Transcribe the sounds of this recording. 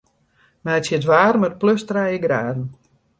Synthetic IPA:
mɛətsjədʋaːrmət̚pløstrɛjəɡraːdn̩

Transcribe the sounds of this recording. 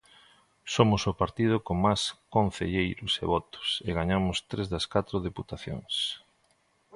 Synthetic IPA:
somʊsʊpaɾt̪ið̞ʊkoŋmaskõn̟θḛʎejɾʊsḛβɔt̪ʊ̥seɣaɲamʊst̪ɾezðɐskat̪ɾʊðeput̪aθjo̰ŋs

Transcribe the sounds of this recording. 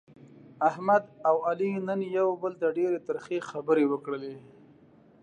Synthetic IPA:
ahmad̪awalinənjawbəld̪əɖeɾet̪aɾxexabəɾewəkɽəle

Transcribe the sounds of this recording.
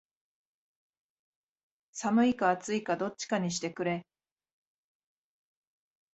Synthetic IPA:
samɯ̟ikaat͡sɨikad̪o̞t͡ɕːi̥kaɲ̟iɕ̬i̥t̪e̞kɯ̟ɾe̞

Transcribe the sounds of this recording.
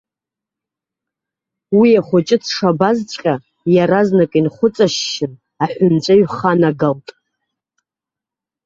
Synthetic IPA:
wiaχʷʊt͡ʃʼɪt͡sʰʂabazt͡ʃʷʼqʲʼa | jaɾaznakʼinχʷʊt͡sʼaʃːɪn | aħʷʊnt͡ʃʷʼaɥχanaɡaltʼ

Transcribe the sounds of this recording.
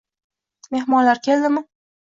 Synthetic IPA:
me̞hmɒnlaɾkʲʰe̞ld̪ɪmɪ

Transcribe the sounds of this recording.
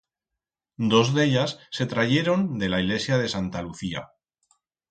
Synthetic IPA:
d̪o̞zðe̞ʎasːe̞t̪ɾaʝe̞ɾo̞nd̪e̞laiɣle̞sjað̞e̞sant̪aluθia̰

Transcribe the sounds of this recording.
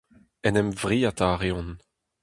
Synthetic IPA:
ɛnɛmvʁiːat̪aʁeɔ̃n

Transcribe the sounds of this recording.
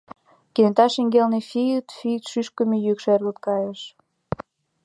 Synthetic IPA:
kenet̪ɑʃiŋɡelnefijət̪fijt̪ʃyʃkəmejykʃerlut̪̚kɑjeʃ

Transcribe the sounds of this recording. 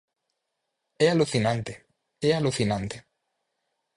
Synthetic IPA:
ɛaluθinãnt̪e | ɛaluθinãnt̪e̥

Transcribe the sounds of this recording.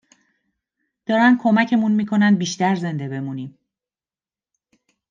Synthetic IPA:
d̪̥ɒːɾænd̪̥̚kʰo̞mæcʰe̞munmiːkʰo̞nænd̪̚biːʃt̪æɾze̞nd̪e̞be̞muniːm

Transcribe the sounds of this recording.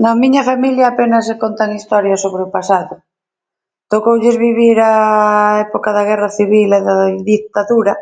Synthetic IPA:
nõmiɲafamiljaːpenasekont̪aŋist̪oɾjasoβɾeopasaðo | t̪okowʎezβiβiɾaɛpokaðaɣ̞eraθiβilaðaðikt̪aðuɾa

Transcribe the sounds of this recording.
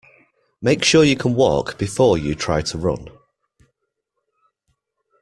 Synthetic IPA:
meɪkʃɔːjəkʰə̃nwɔ̰ˑkb̥ɪfɔːjətʰɹ̥aɪtʰəɹʊ̰̃n

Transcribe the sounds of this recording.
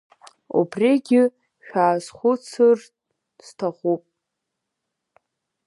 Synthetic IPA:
ṵbreɡʲɪ | ʃᶣaːzχʷʊt͡sʰɨr | z̥tʰaχʷupʼ

